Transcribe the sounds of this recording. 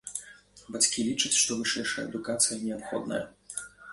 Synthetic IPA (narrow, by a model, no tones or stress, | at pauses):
bat͡sʲkʲilʲit͡ʂɐt͡sʲʂt̪ɔvɨʂɛjʂɐjɐ̰ɛ̰d̪ukat̪sɨjɐnʲɛapxɔ̰d̪nɐ̰jɐ